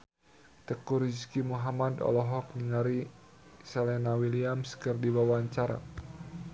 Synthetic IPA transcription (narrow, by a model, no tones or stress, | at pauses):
t̪əkuɾiskimuɦamadɔ̰lɔɦɔk̚niŋaɾi | salɛnawiliamskərdibawaɲt͡ʃaɾa̰